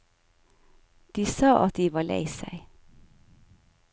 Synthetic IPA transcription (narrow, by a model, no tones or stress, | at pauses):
d̪̥iːsɑːʔɑt̪̚d̪iːʋɑːlæ̰ɪsæ̰ɪ